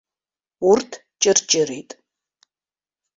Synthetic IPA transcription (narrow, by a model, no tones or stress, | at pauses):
ʊrtʰ | t͡ʃʼɪrt͡ʃʼɪɾejtʼ